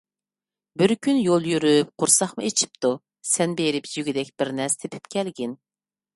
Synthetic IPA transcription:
bɪɾkʲynjolˠjyɾyp̚qʰʊɾsɑχmʊet͡ʃʰi̥p̚t̪u | sɛnbeɾɪpjyɡʲid̪ɛkʲb̥ɪɾnɛst̪ʰepʰy̥pkʲʰɛlɡʲɪn

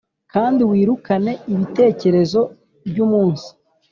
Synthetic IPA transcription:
kaːndiwiːɾukane̞iβite̞ːce̞ɾe̞zo̞ | bɟuːmuːnsi̥

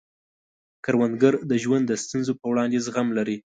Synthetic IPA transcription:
kaɾwand̪ɡaɾd̪əʒwand̪ːəst̪unzopəwɽɑnd̪ezɣamlaɾi

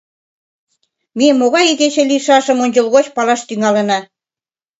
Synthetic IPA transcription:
miəmːoɣɑjiɣet͡ɕĕliʃɑʃɤ̆monʲd͡ʑɤ̆lɣot͡ɕpɑlɑʃt̪yŋɑlenɑ

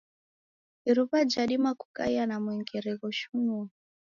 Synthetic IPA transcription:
iɾuβad͡ʒaɗimakukʼa̰janamwɛŋɡɛɾɛɣɔʃuŋu

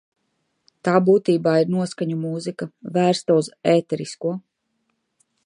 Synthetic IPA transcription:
t̪aːbuːt̪iːbaːiɾnuɔskaɲumuːzikavæːɾst̪auzɛːt̪ɛɾiskuɔ

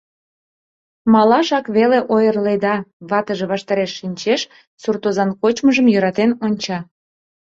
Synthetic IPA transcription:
mɑlɑʃɑkβeleʔojərled̪ɑβɑt̪əʒe̽βɑʃt̪ɑɾeʃːinʲt͡ɕeʃ | surt̪ozɑnkot͡ɕməʒəmjøɾɑt̪enonʲt͡ɕɑ

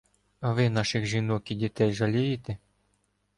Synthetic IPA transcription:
ɐʋɪnɑʃɪxʒinɔkʲiwdʲit̪ɛjʒɐlʲijɪt̪e

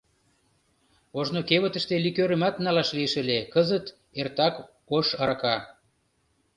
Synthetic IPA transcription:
oʒnokeβət̪ə̆ʃt̪elikøɾəmɑt̪nɑlɑʃlieʃə̆lʲekəzət̪ | ert̪ɑk | oʃɑɾɑkɑ

